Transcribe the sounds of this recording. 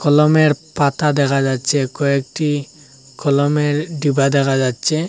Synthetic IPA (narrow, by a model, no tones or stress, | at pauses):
kɔlɔmɛɹpatad̪ɛkʰad͡ʒatsʰɛkɔɛk̚ʈi | kɔlɔmɛɹdibad̪ɛkʰad͡ʒatsʰɛ